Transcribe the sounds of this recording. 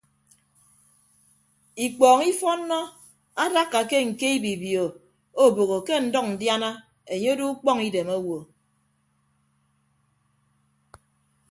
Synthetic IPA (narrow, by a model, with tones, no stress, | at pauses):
i˨k͡pɔː˨ŋi˦fɔ˦nː˦ɔ˦ | a˦da˦kːa˨ke˦ŋ̩˨ke˦i˦bi˨bjo˨ | o˦bo˨ɣo˨ke˦n̩˨dɔ˦k̚n̩˨dja˦na˦ | e˨ɲe˦du˦u˦k͡pɔ˦ŋi˦de˨mo˦wo˨